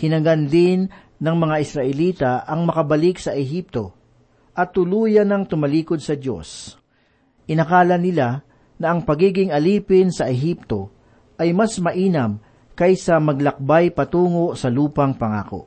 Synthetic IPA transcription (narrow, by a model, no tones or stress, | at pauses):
hɪnɐɡɐnd̪ɪnː | ɐŋmɐŋaʔɪsɾɐʔɛliːt̪aʔɐŋmɐkɐbɐlɪksɐʔɛɦip̚t̪o̞ | ʔɐt̪ːʊluːjɐnɐŋt̪ʊmɐliːkod̪̚sɐd̪jo̞̰s | ʔɪnɐkaːlɐnɪla | nɐʔɐŋpɐɡiːɡɪŋɐliːpɪnsɐʔɛɦip̚t̪o̞ | ʔɐjmɐsmɐʔiːnɐm | kɐjsɐmɐɡ̚lɐk̚bajpɐt̪uːŋo̞ʔsɐluːpɐŋpɐŋa̰ːko̰ʔ